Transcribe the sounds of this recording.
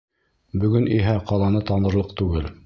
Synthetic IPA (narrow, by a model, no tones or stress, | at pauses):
bɵ̆ɡɵniɦæqɑlˠɑnɤt̪ɑnɤ̆ɾlˠɤqt̪ʉɡɘl